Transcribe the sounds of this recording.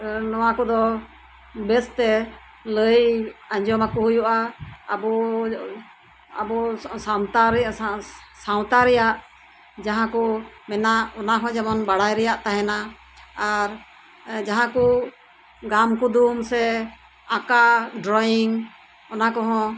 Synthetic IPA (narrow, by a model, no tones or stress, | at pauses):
nɔwakɔd̪ɔ | bɛst̪ɛ | ləjaɲd͡ʒɔmakuɦujuʔaːbɔ | abɔawt̪aɾ | saw̃t̪aɾɛjaʔ | d͡ʒaɦãkɔ | mɛnaʔɔnaɦɔ̃d͡ʒamɔnbaɽajɾɛjaʔt̪aɦɛna | aɾ | d͡ʒaɦãku | ɡamkud̪umsɛ | akaɖɾɔjiŋ | ɔnakɔɦɔ̃